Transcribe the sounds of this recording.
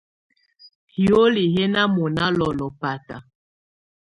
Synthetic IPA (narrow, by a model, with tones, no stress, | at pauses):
hi˨o˦li˨ɦɛ˦na˦mɔ˨na˦lɔ˨lɔ˨pa˨ta˨